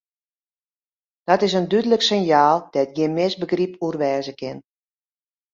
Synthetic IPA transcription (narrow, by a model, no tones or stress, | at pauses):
d̥ɔtɪs̬əndydələksɪnjaːlˠd̥ɛt̚ɡjɪnmɪsbəɡripʰurʋɛːzəkɪn